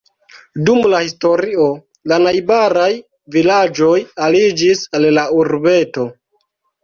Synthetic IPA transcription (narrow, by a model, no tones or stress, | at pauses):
dumlahisto̞ɾio̞ | lanajbaɾaj | vilad͡ʒo̞jalid͡ʒisallauɾbe̞to̞